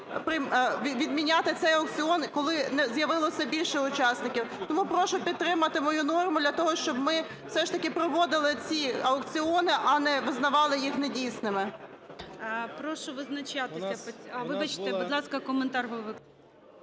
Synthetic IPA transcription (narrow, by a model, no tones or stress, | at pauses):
pɾɪʋʲid̪mʲinʲat̪ɪt̪sɛjɐɔk̚t͡sʲiɔnkɔlˠɪnɛzjɐʋɪlˠɔsʲɐbʲilʲʃɛʊt͡ʃɑsnɪkʲiwt̪ɔmupɾɔʃɔpʲidt̪t̪ːɾɪmɐt̪ɪmɔjunɔrmʊd̪lʲɐt̪ɔɦɔʃt͡ʃɔbmɪ | wsɛʃt̪ɐkɪpɾɔʋɔd̪ɪlˠɪt͡sʲiɐɔkt͡sʲiɔnɪʔɐnɛʋɪznɐʋɑlˠɪjixnɛdʲijsnɪmɪ | pɾɔʃɔʋɪznɐt͡ʃat̪ɪsʲɐɔɐʋɪbɐt͡ʃɪ̥t̪ɛbud̪lˠɑskɐkɔment̪ɑrɦɔʋɪ